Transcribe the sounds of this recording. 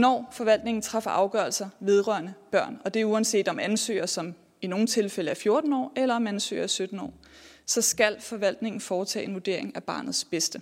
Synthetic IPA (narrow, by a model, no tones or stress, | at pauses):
nɒ̰ːfɒ̽ʋæl̰d̥ne̝ŋn̩t͡sʰʁɑ̈fɐʔɑ̈ʊɡ̥ɶɐlsɐʋe̝ð̞ˠʁɶɐnəb̥ɶɐ̰nɒ̽d̥e̝uɛnse̝̰ːd̥ɒ̽mænsø̰ːɐsɒ̽m | ino̝ːn̩t͡sʰe̝lfel̰əæɐfjo̝ɐd̥n̩ɒ̰ːelɐɒ̽mænsø̰ːɐæsød̥n̩ɒ̰ː | sɒ̽sɡ̥æl̰fɒ̽ʋæl̰d̥ne̝ŋn̩fɒːt͡sʰɛ̰ːe̝nʋud̥e̝ɐ̰e̝ŋæb̥ɑ̈ːnð̞̩ˠsb̥esd̥ə